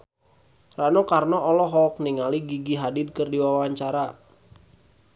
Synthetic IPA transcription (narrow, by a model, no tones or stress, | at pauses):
ranokarnɔʔɔlɔɦɔk̚niŋaliɡiɡiɦadɪd̚kərdiwawaɲt͡ʃaɾa